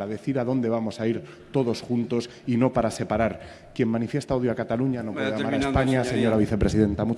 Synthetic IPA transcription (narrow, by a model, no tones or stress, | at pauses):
ɾaðe̞θiɾaðo̞nd̪e̞β̞amo̞saiɾ | t̪o̞ð̞o̞sxunt̪o̞s | ino̞paɾase̞paɾaɾ | kje̞mmãnifje̞st̪aoðjoakat̪aluɲanopweeamaɾaespaɲaseɲo̞ɾaβ̞iθe̞pɾe̞siðe̞nt̪amu